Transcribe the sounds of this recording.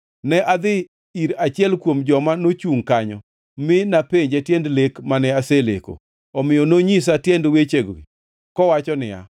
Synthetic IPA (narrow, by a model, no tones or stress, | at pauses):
nɛʔad̪ɪ | iɾat͡ʃɪɛlkwomd͡ʒɔmanot͡ʃuŋkaɲɔ̰ | mɪnapeɲd͡ʒɛtjɛndlekmanɛaselḛko̰ | ɔmɪjɔnoɲis̬atjɛndwet͡ʃeɡo̰ɡḭ | kɔwat͡ʃɔnɪ̰ja̰